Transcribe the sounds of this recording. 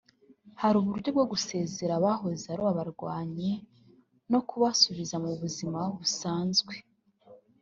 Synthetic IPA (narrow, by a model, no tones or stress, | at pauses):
haɾuːβuɾɟo̞b̚ɡo̞ɡuse̞ːze̞ɾaβaɦo̞zeaɾoβaβaɾɡwaːɲe̞ | no̞kuβasuβizamuβuzimaβusaːnzɡwe̞